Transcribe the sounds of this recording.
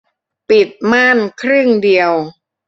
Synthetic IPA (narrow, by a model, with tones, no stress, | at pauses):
pi˨˩t̪̚ma˥˩nkʰɾɯ˥˩ŋdi˧əw